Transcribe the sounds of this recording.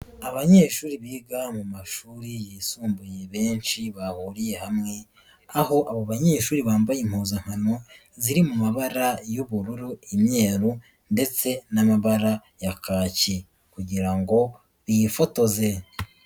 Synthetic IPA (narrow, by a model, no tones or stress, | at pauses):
aβaɲe̞ːʃuːɾiβiːɡamumaʃuːɾijiːsuːmbuje̞βe̞ːnt͡ʃiβahuɾije̞hamŋe̞ | aho̞ʔaβoβaɲe̞ːʃuːɾiβaːmbajim̥huːzam̥hano | ziɾimumaβaɾajoβuɾuɾuimɲe̞ːɾu | nde̞t͡se̞namaβaɾajakaːci | kuɟiɾaŋɡo̞ | βiifo̞to̞ze̞